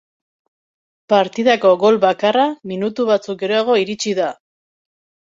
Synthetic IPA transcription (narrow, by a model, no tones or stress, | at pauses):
paɾt̪iðako̞ɣo̞lβakaraminut̪uβat͡suk̚ɡe̞ɾo̞aɣ̞o̞iɾit͡ʃiða